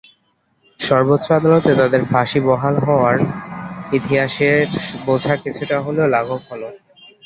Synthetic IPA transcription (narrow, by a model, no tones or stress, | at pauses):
ʃɔɾbot̪ːɕoad̪alot̪et̪ad̪eɾfaʃibɔɦalɦɔoaɾ | it̪iɦaʃeɾbod͡ʑʱakit͡ɕʰuʈaɦoleolaɡʱokɦɔlo